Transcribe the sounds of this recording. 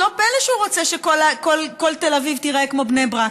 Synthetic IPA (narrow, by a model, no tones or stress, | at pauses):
lobeleʃuʁot͡seʃekolakolko̞lte̞lavivt̪iʁekmo̞bnejbʁa